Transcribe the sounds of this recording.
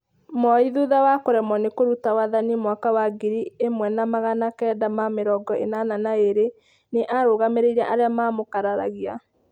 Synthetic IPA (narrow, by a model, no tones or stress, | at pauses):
mɔiðuðawakoɾɛmɔnekoɾutawaðanimwakawaɡiɾiemwɛnamaɣanakɛːdamameɾɔɡɔḛnananaeɾe | neʔaɾoɣameɾeiɾaʔaɾeamamokaɾaɾa̰ɣia